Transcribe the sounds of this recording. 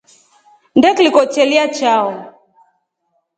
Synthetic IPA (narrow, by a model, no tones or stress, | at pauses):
ndɛklikɔt͡ʃɛliat͡ʃaɔ